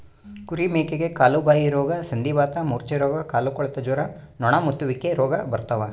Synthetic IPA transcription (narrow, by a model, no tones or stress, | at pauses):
kuɾimeːkeɡekaːlubaːjiɾɔːɡɐsɐnd̪iʋaːt̪ɐmuːɾt͡ʃeɾɔːɡɐkaːlukɔɭɐt̪ɐd͡ʒuːɾɐnɔɳamut̪ːuʋikːeɾɔːɡɐbɐɾt̪ɐʋɐ